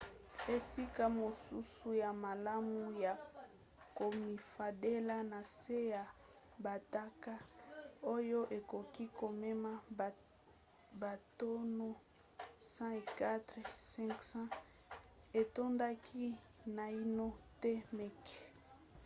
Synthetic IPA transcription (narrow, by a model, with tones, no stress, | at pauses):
e˨si˦ka˦mo˨su˦su˦ja˨ma˨la˦mu˦ja˨ | ko˨mi˨fa˨de˦la˦na˨se˦ja˨ | ba˨ta˦ka˦o˦jo˦ʔe˨ko˨ki˦ko˨me˦ma˦˨ | ba˨to˦no˦ | sã˦e˨ka˦tʁsɛ̃˦ŋksã˦ | e˨to˦nda˦kʰi˦ | na˨i˦no˦te˦mɛ˦ke̥˨